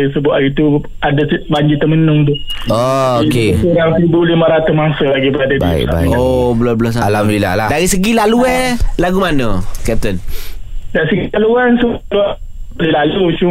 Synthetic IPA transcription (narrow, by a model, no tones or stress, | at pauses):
isəbʊʔaɡit̪u | adasbaɲd͡ʒit̪ːəmənʊŋt̪̬uooikesoɾaŋsəɾibulimaɾat̪umaŋsəlaɡibəadaba̰kba̰ḭobəlɔbəlɔs̬alambila̰ladaɾisəɡilaluɛlaɡumanəkɛp̚t̪ən | daʔsəɡit̪aluansəbluaʔlilalut͡ʃu